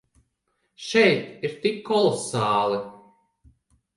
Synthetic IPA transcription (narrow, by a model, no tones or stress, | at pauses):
ʃɛjt̪iɾt̪ikːɔlˠɔsaːlˠi